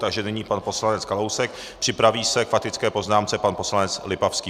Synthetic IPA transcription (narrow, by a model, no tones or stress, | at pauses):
t̪aɡʒɛnɪɲiːpanpo̞slanɛt͡skalowsɛk̚ | pr̥ɪpɾaviːsɛkfat̪ɪt͡skɛːpo̞znaːmt͡sɛpanpo̞slanɛt͡slɪpafskiː